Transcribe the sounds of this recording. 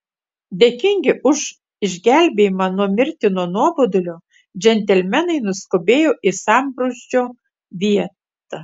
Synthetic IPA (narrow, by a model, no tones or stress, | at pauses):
d̪ʲeːkʲɪŋʲɡʲɪʔʊʃ | ɪʒʲɡʲæˑlʲbʲeːjɪmɑnɔmʲɪɾʲt̪ʲɪnoɔnuɔbod̪ʊlʲo | d͡ʒʲɛnʲt̪ʲɛlʲmʲɛnɐɪnʊskʊbʲeːjoːʔɪsɑˑmbɾoʃʲd͡ʒʲoː | ʋʲiɛt̪ɐ